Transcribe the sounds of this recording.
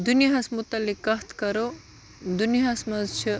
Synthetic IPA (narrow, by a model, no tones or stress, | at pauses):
d̪unjɦɐsmut̪ɐlːikːɐɦt̪ʰkɐɾo | d̪unijɦɐsmɐzt͡ʃʰi